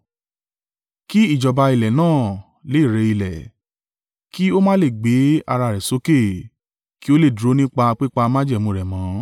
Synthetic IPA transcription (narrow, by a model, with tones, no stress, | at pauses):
ki˦i˦˨d͡ʒɔ˨ba˧i˨lɛ˨nãː˦˨ | le˨˦i˦˨ɾe˨˧˦i˧˨lɛ˨ | ki˦o˦mã˦le˦˨ɡ͡be˨˦a̰˧ɾa˧˨ɾɛ˨so˨˦ke˦˨ | ki˦o˦le˦˨du˨o˨˦nĩ˦k͡pa˧k͡pi˦k͡pa˧mã˦d͡ʒɛ˦˨mũ˧˨ɾɛ˨mã˨˦